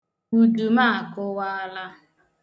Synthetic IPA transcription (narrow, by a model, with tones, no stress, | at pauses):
u˨du˨ma˦a˨kʊ˦wa˦a˦la˦